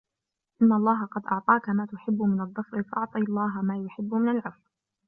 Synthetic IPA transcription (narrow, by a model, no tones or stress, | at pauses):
ʔɪnːaʔɑlˤːɑːɦaqɑd̪ʔɑʕt̪ˤɑːkamaːt̪ʊħɪbːʊmɪnɑðˤːʊfɾɪfaʔɑʕt̪ˤiːɑlˤːɑːɦamaːjʊħɪbːʊmɪnalʕʊfw